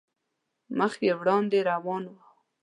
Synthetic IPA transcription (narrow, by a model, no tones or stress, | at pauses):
məxewɽɑnd̪eɾawɑnwa